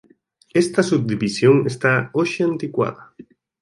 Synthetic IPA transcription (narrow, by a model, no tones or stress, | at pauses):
est̪asub̚d̪iβisjoŋest̪aoʃeant̪ikwa̰ða